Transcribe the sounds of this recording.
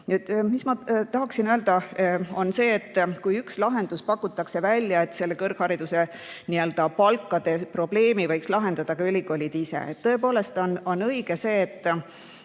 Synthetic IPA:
et̪mismɑt̪ɑɦɑksinøːld̪̥ɑo̞nse̞ːt̪ːˑkujykslɑɦe̞nd̪̥uspɑkːˑut̪ːˑɑkse̞vælʲjɑe̞t̪ːse̞lːe̞kɤrɡ̥hɑɾid̪̥use̞ | niøld̪̥ɑpɑlkːˑɑd̪̥e̞pro̞ble̞ːmivɤjkslɑɦe̞nd̪̥ɑd̪̥ɑkɑylʲiɡo̞lʲid̪̥isḛḛt̪t̪ːɤ̞e̞po̞ːle̞st̪o̞no̞nɤjɡ̥ese̞ːt̪ˑː

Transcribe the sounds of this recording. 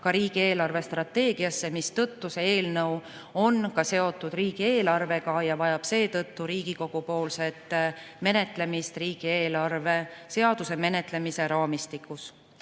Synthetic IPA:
kɑɾiːɡ̥ie̞ːlɑrve̞st̪rɑt̪ːe̞ːɡ̥iɑsːe̞mist̪ɤt̪ːusee̞ːlnɤw | o̞nkɑse̞o̞t̪ːˑud̪̥riːɡ̥ie̞ːlɑrve̞ɡ̥ɑjɑvɑjɑb̥se̞ːt̪ɤt̪ːuɾiːɡ̥iko̞ɡ̥upo̞ːlse̞t̪ˑ | me̞ne̞t̪ˑle̞mist̪riːɡ̥ieːlɑrve̞se̞ɑd̪̥use̞me̞ne̞t̪ˑle̞mise̞ɾɑːmist̪ikːˑus

